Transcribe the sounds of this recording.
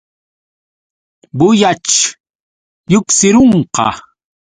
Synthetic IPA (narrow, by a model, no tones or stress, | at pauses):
bʊjat͡ʃ | jʊksɪɾoɴqɑ̰